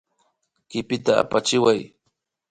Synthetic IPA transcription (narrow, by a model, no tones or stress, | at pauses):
kɪpɪt̪aa̰pat͡ʃɪwaj